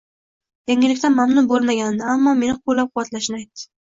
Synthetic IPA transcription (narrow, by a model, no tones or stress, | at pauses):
jaŋɪlɪkʲt̪anmamnʊnbolˠmaɡʲand̪ɪamːɒme̞nɪqʰoɾlːap̚qʰʊwːat̪laʃɪnɪajt̪ːɪ̥